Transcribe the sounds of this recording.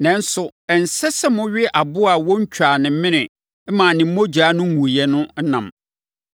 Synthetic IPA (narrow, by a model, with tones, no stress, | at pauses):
nɛ̃˨n˦sʊ˨ɛ˨n̩˨sɛ˦sɛ˦mʊ̃˦ɥɪ˦ʔa˨bʊ˦a˨wɔ̃˦ɲ̩˦t͡ɕᶣa˨nɪ̃˨m̩˦mɪ̃˦nɪ̃˨˦ | mãː˨nɪ̃˨m̩˦mõ˦d͡ʑᶣa˨˦nʊ̃˦mũ˨jɛ˦nʊ̃˦n̩˦nã̰˨m